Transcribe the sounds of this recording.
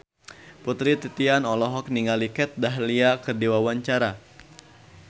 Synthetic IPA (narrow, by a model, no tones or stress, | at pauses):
put̪ɾit̪it̪ianɔlɔɦɔk̚niŋalikɛt̪̚daɦliakərdiwawaɲt͡ʃaɾa